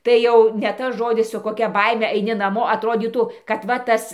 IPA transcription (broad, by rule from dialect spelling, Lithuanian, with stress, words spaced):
tɐɪ ˈjɛʊ nʲɛ ˈtɐs ˈʒoːdʲɪs sʊ koːˈkʲɛ ˈbɐɪmʲɛ ɐɪˈnʲɪ nɐˈmoː ɐtˈroːdʲiːtuː kɐt ˈʋɐ ˈtɐs